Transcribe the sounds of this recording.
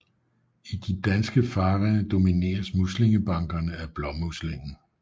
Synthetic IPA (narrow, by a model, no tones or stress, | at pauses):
id̥id̥ænsɡ̥əfɑ̈ːʁənd̥o̝mine̝̰ːɐsmusle̝ŋəb̥ɑ̈ŋɡ̥ɐnəæb̥lɒ̽musle̝ŋn̩